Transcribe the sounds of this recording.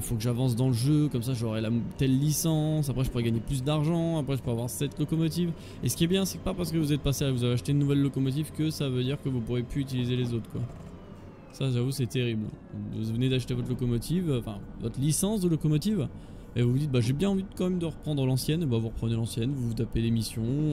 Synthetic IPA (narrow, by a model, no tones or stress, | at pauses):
fokəʒavɑ̃s̬d̪ɑ̃ləʒøkɔmsaʒɔʁɛlat̪ɛlːisɑ̃s̬apχɛʒəpuʁɛɡaɲeplys̬d̪aʁʒɑ̃apχɛʒəpøʁavwaʁsɛt̪lɔkɔmɔt̪̬iv | esə̥kʲiɛbjɛ̃sɛkəpapaʁsə̥kəvuzɛt̪̚paseavuzaveaʃt̪enːuvɛlːɔkɔmɔt̪̬ivkəsavød̪iʁkəvupuʁepyyt̪ilizelezot̪χkwa̰ | saʒavusɛt̪eʁibl̃vuvəned̪aʃt̪evɔt̪lɔkɔmɔt̪ʰivɑ̃fɛ̰̃vɔt̪χəlisɑ̃sd̪əlɔkɔmɔt̪iv | mɛvuvud̪it̪̚baʒebjɛ̃ɑ̃vikɑ̃mɛmd̪əʁəpχɑ̃d̪ʁəlɑ̃sjɛnbavuʁəpχənelɑ̃sjɛnvuvut̪aped̪emisjɔ̃